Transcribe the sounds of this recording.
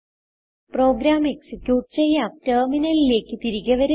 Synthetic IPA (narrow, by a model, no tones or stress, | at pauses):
pro̞ːɡɾaːme̞ksikjuːʈ̚t͡ɕejːatɐːminɐlile̞ːkːɨt̪iɾiɣɐʋɐɾ